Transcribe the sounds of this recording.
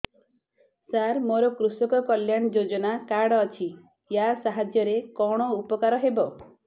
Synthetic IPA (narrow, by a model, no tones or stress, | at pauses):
saɾmoɾɔkɾusɔkɔkɔljaɽ̃ɔd͡ʒod͡ʒɔnakaɽɔt͡ʃʰi | jasaɦad͡ʒjɔɾekɔɽ̃ɔupɔkaɾɔɦebɔ